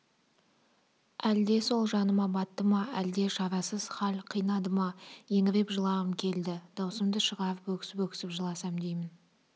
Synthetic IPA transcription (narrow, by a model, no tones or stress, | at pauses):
æld̪e̞so̞lˠʒɑnəmɑbɑt̪ːəmɑæld̪e̞ʃɑɾɑsəz̥χɑlʲqʰijnɑd̪əmɑje̞ŋɪɾe̞pʒəlˠɑʁəmkʲʰe̞ld̪ɪd̪̥ɑwsəmd̪əʃəʁɑɾəpɵkʲɪ̥sɪpɵkʲɪ̥sɪpʒəlˠɑsɑmd̪ejmɪn